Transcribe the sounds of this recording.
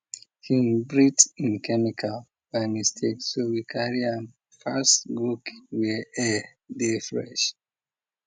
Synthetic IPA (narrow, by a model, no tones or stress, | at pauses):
hinbɹitĩnkɛmikʰa | wãnistʰeksowikʰaɹiãn | fastɡɹukwɛɛ | defɹɛ̰̃ʃ